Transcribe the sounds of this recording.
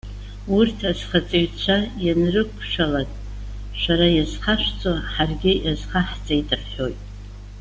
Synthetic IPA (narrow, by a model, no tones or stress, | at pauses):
urtʰazχat͡sʼiɥt͡ɕʷʰajanrɨkʷʰʃᶣalanʼ | ʃʷaɾajazχaʃʷt͡sʼoħarɡʲɪjʔazχaħt͡sʼaidʼɨrʰħo̞jtʼ